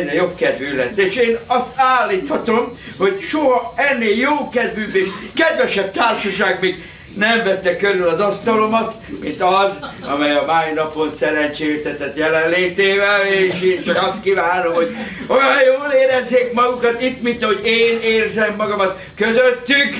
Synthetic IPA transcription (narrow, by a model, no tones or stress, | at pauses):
nːejobkɛd̪vylːɛt̪ːeːʃeːnɒst̪aːlːiːt̪hɒt̪o̞mho̞ɟʃoɦɒɛnːeːljoːkɛd̪vybeːʃkɛd̪ʋɛʃɛb̚t̪aːrʃɒʃaːɡmiːɡ | nɛɱvɛt̪ːɛkøɾylɒzɒst̪ɒlomɒt̪ | mint̪ɒzɒ̰mɛjɒmaːnɒponsɛɾɛnt͡ʃeːt̪ɛt̪ɛt̪jɛlɛnleːt̪eːvɛleːʃeːnt͡ʃɒkɒst̪kivaːno̞mho̞ɟ | ojɒjjoːleːɾɛzːeːkmɒɡukɒt̪it̪mint̪ɒɦo̞ɟeːneːrzɛmːɒɡɒmɒt̪ | køzøt̪ːyk